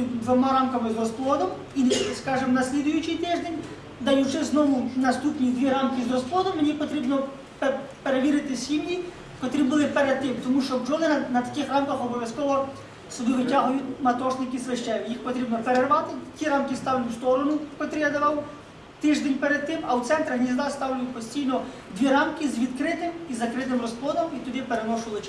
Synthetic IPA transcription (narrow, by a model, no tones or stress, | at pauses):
d̪ʋɔmaɾamkɐmɪzɾɔsplˠɔd̪ɔm | iskɑʒɪmnɐsʲlʲid̪ʊjʊt͡ʃijt̪ɪʒd̪enʲ | d̪ɐjʊt͡ʃɪznɔʋʊnɐst̪upnʲid̪ʲʋʲiɾamkʲizɾɔsplˠɔd̪ɔmːenʲipɔt̪ɾʲibnɔ | ppeɾeʋʲiɾɪt̪ɪsʲimnʲi | kɔt̪ɾʲibɨlˠɪpɛɾɛd̪̚t̪ːɪmt̪ɔmuʃt͡ʃɔbd͡ʒɔnɪnɐnɐt̪ɐ̥kʲɪxramkɐxɔbɔʋʲjɐskɔʋɔ | sʊb̪ɪʋɪtʲaɦʊjʊtʲmɐt̪ɔʃnɪkislˠɪʃt͡ʃɛʋʲijixpɔt̪ɾʲibnɔpeɾerʋɑt̪ɪtʲiɾɑmkɪst̪ɑwlʲst̪ɔɾɔnʊpɔt̪ɾʲɛd̪ɐʋɐw | t̪ɪʒd̪ɛnʲpeɾed̪̚t̪ɪmɐwt̪sɛnt̪ɾɐɦnʲizd̪ɑst̪ɑwlʲʊjʊt̚ʲpɔsʲtʲijnɔd̪ʲʋʲiɾɑmkizʋʲid̪kɾɪt̪ɪmizɐkɾɪt̪ɪmrɔsplˠɔd̪ɔmit̪ɔd̪ɪpeɾenɔʃʊlˠɪt͡ʃ